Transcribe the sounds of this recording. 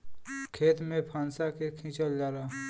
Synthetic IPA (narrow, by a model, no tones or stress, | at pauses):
kʰeːt̪mẽpʰaːnsakekʰĩt͡ʃəld͡ʒaːɾaː